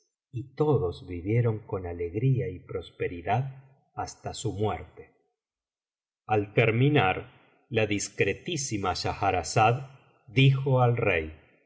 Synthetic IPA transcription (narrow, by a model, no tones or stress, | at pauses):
it̪o̞ðo̞zβiβje̞ɾo̞ŋko̞nale̞ɣɾiaipɾo̞spe̞ɾiðað | ast̪asumweɾt̪e̥ | alt̪eɾminaɾ | laðiskɾe̞t̪isimaʃaxaɾasað | d̪ixoalrej